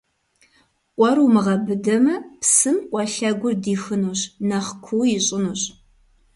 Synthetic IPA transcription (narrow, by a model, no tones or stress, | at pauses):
ʔʷɔrumɨʁɐbɨdɐmɐpsɨmʔʷʼɔɬɐɡʷʊrdiːxɨnuɕnaχkʷʰuwjɪɕʼɪnuːɕ